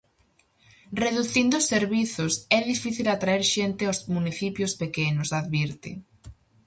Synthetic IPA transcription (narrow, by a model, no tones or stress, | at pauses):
reðuθind̪oʊsːeɾβiθʊsɛðifiθilat̪ɾaeɾʃent̪ɪawsmuniθipjospekenʊsaðβiɾt̪ɪ̰